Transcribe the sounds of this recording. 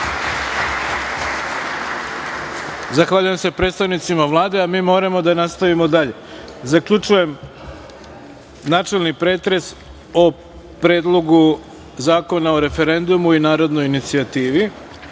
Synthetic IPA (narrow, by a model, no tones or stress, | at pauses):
zaxʋaːʎujemse̞pɾet̪st̪aʋnit̪simaʋlˠaːd̪e̞amiːmo̞ːɾamo̞d̪anast̪aʋimo̞d̪aʎe̞zakʎut͡ʃuje̞m | naːt͡ʃe̞lnipɾe̞ːt̪ɾe̞s | o | pɾe̞ːd̪lˠo̞ɡu | zaːko̞nao̞ɾe̞fe̞ɾe̞nd̪umuinaːɾo̞d̪no̞jinit̪siat̪iːʋi